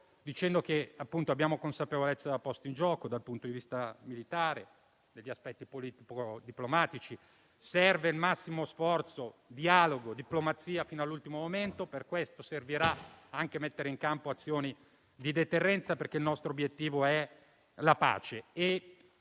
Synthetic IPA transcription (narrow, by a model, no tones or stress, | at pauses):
d̪it͡ʃɛnd̪okeapːunt̪oabːjaːmokonsapevolet̪sːad̪apːɔst̪oind͡ʒɔːkod̪alpunt̪od̪ivist̪amilit̪aːɾe | d̪eʎːiaspɛt̪ːipoliːt̪ipod̪iplomaːt̪it͡ʃi | sɛrveilmasːimosfɔrt̪sod̪iaːloɡod̪iplomat̪siːafiːnoalːult̪imomoment̪operkwest̪oserviɾaaŋkemet̪ːeɾeiŋkampoat̪sːjoːni | d̪id̪et̪erːɛnt̪saperkeilnɔst̪ɾoobjet̪ːiːvoɛ | lapa̰ːt͡ʃee